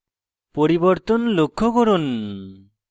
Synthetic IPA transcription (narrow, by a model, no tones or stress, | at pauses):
pɔɾibɔɾt̪ɔnlokʰːɔkɔɾɔn